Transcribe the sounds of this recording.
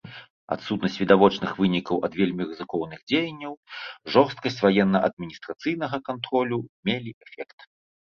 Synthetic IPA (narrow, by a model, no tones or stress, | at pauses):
a̰t̪sut̪nɐsʲt͡sʲvʲid̪avɔt͡ʂnɨxvɨnʲikɐwʔɐd̪vʲelʲmʲirɨzɨkɔwnɨɣd͡zʲejɐnʲːɐwʐɔrst̪̚kɐsʲt͡sʲvajɛnːɐʔɐd̪̚mʲinʲist̪ɾat̪sɨjnɐɣɐkant̪ɾɔlʲumʲelʲiʔɛfʲɛkt̪